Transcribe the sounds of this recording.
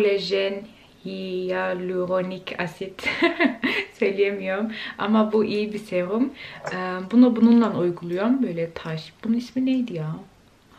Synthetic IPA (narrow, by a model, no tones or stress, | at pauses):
lʲeʒɛn | hijalʲyɾonicʰasit̪ | sø̞jlʲijemijo̞ɾuma̰mabuʔijibiseɾumɛbunubununlˠanujɡulˠujombø̞jlʲɛt̪ʰaʃbununisminejd̪ijaː